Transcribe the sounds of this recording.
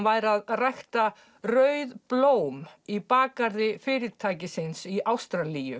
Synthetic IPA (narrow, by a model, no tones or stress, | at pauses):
vaːjɾaðrajxt̪a | rœɥðploːwmipaːkaɾðɪfɪːɾɪðt̪ʰaːjcɪsɪnsiʔawst̪ɾalijʏ